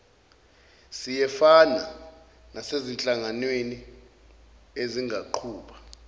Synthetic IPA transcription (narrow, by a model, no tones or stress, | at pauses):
sijɛfana̰ | nasezint͡ɬʼaŋanweni | eziŋʱaǃʰuːɓḁ